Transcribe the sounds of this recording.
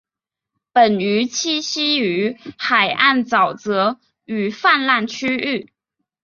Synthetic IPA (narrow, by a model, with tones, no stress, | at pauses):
pə˨˩ny˧˥t͡ɕʰi˥˩ɕi˥y˧˥xa˨˩ɪʔa˥˩nt͡sɑ˨˩ʊt͡sɤ˧˥ | y˨˩fa˥˧nla˥˩nt͡ɕʰy˥y˥˩